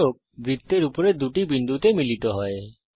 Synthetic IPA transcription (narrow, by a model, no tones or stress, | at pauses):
ok̚bɾit̪ːeɾupɔɾed̪uʈibind̪ʱut̪emilit̪ɔɦɔe